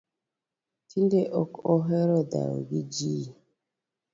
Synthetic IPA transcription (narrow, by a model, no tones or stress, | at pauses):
tʰindeʔɔkɔɦɛɾɔda̰ɾ̰ɡid͡ʒi